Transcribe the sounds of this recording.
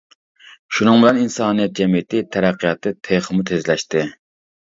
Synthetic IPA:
ʃunɨŋbɪlɛninsɑːnijɛt̪̚d͡ʒɛmijɪt̪ɪt̪ʰæɾæqʰːijɑt̪ʰːɨt̪ʰeχɨmut̪ʰezlɛʃt̪ɪ

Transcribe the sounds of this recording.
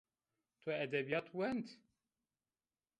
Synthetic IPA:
t̪ʰɛɛd̪ɛbijɑːt̪ʰwɛnd̪

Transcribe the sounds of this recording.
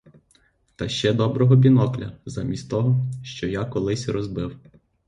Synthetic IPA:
t̪ɐʃt͡ʃɛd̪ɔbɾɔɦɔbʲinɔklʲɐzamʲisʲtʲt̪ɔɦɔʃt͡ʃɔjakɔlˠɪsʲɾɔzbɪw

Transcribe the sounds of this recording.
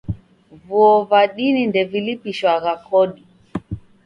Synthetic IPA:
vuɔvaɗinindɛvilipiʃwaɣakɔɗi

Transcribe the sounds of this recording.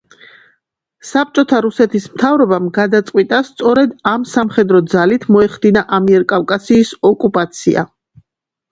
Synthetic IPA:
sap̚t͡ʃʼɔt̪ʰaɾusɛt̪ʰismt̪ʰavɾɔbamɡad̪at̪sʼqʼwit̪ʼast̪sʼɔɾɛd̪amsamχɛd̪ɾɔd̪zalit̪ʰmɔɛχd̪inaʔamiɛɾkʼavkʼasiːsɔkʼupʼat̪sʰḭa̰

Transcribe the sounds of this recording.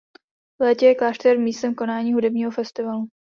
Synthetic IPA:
vlɛːcɛjɛklaːʃt̪ɛɾmiːst̪ɛmko̞naːɲiːɦudɛbɲiːɦofɛst̪ɪvalu

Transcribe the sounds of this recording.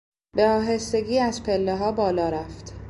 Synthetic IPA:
beɒːɦe̞st̪e̞ɡiːæzpʰe̞lːeɦɒːbɒːlɒːɾæft̪

